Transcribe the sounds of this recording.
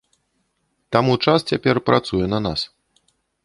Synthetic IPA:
t̪amut͡ʂast͡sʲapʲɛrpɾʔat̪sujɛnɐnas

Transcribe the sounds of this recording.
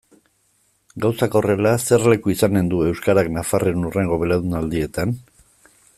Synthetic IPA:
ɡawsako̞re̞lase̞rle̞kuisane̞nd̪ue̞wskaɾaknafarenure̞ŋɡo̞βe̞laðunald̪ie̞t̪an

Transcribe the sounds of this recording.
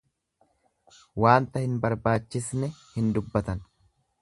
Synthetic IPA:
waːnt̪ɐhɪnbɐɾbaːt͡ʃːɪsnɛhɪnd̪ʊbːɐt̪ɐn

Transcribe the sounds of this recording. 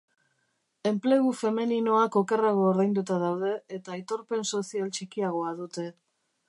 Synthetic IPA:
e̞mple̞ɣufe̞minino̞ako̞ke̞raɣ̞oːɾðajnd̪ut̪aðawðe̞et̪ait̪o̞ɾpe̞nso̞sialt͡ʃikiaɣ̞o̞að̞ut̪e̞

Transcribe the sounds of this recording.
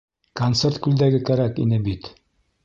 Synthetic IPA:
kont̪sert̪kʉld̪æɡɘkæɾækḭnɘbit̪

